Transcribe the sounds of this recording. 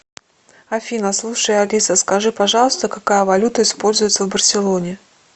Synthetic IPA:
ɐfʲinəslˠuʂɨjɐlʲisəskɐʐɨpɐʐɑlˠəst̪əkɐkajəvɐlʲut̪əɪspo̞lʲzʊjɪt̪səvbərsʲɪlˠonʲɪ

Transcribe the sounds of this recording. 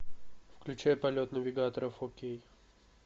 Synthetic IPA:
fklʲʉt͡ɕæjəpɐlʲo̞t̪nəvʲɪɡat̪əɾəfxokʲej

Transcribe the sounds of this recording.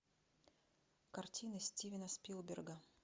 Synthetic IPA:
kɐrtʲinəsʲtʲivʲɪnəspʲilˠbʲɪrɡə

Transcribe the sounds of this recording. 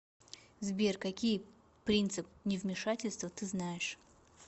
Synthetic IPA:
zbʲerkɐkʲij | pɾʲint̪sɨpnʲɪvmʲɪʂatʲɪlʲst̪vət̪ɨznajɪʂ

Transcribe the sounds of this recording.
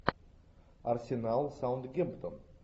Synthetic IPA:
arsʲenalˠsawnd̪ɡʲempt̪əm

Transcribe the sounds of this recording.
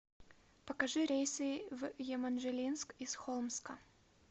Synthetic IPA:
pɐkɐʐɨɾʲejsɨvjɛmɐnʐɛlʲinskisxolˠmskə

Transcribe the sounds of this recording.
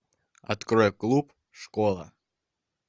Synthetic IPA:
ɐt̪kɾɔjklˠup | ʂkolˠə̰

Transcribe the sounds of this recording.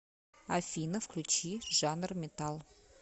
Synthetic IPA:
afʲinəfklʲʉt͡ɕiʐɑnrmʲɪt̪ɑlˠ

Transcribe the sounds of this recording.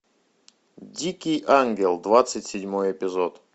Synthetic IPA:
dʲikʲɪjʔanɡʲɪlˠd̪vat̪sɨtʲsʲɪdʲmojɪpʲɪzot̪

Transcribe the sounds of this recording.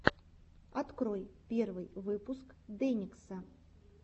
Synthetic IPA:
at̪kɾojpʲɛrvɨjvɨpuskd̪ɛnʲiksɐ

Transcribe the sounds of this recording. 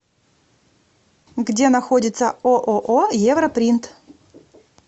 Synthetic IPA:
ɡdʲenɐxodʲɪt̪sə̰oʔoʔojevɾɐpɾʲint̪

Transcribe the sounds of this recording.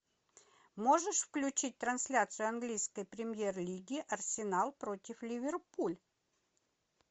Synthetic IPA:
mo̞ʐɨʂfklʲʉt͡ɕit̚ʲt̪ɾɐnsʲlʲat̪sɨjʊɐnɡlʲijskəjpɾʲɪmʲjerlʲiɡʲɪʔɐrsʲɪnalˠpɾotʲɪflʲɪvʲɪrpulʲ

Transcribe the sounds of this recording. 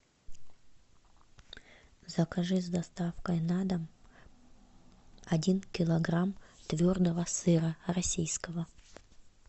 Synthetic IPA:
zəkɐʐɨzʲd̪ɐst̪afkəjnad̪əm | ɐdʲinkʲɪlˠɐɡɾamt̪vʲord̪əvəsɨɾərɐsʲijskəvə

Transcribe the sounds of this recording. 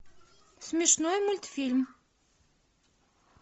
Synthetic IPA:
smiʃnuimult̪film

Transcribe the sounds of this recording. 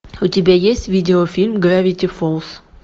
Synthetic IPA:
ʊtʲɪbʲajesʲtʲvʲidʲɪofʲilʲmɡɾavʲɪtʲɪfolˠs

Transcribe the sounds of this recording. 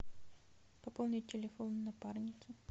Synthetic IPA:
pɐpolˠnʲɪtʲɪlʲɪfonnːɐparnʲɪt̪sʊ

